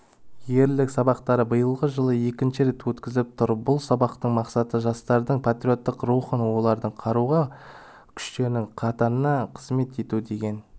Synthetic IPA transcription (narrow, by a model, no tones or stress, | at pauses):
je̞ɾlɪksɑbɑqt̪ɑɾəbəjəlˠʁəʒəlˠəje̞kʲɪnʃɪɾe̞t̪wɵt̪kʲɪzɪp̚t̪ʰʊɾbʊlˠsɑbɑqt̪əɴmɑqsɑt̪əʒɑst̪ɑɾd̪əɴpʰat̪ɾio̞t̪ːɪqɾuχənwo̞lˠɑɾd̪əɴqʰɑɾuʁɑ | kʲʰʏ̥ʃt̪e̞ɾnɪŋqʰɑt̪ɑɾənɑqʰəzme̞t̪e̞t̪ud̪e̞ɡʲe̞n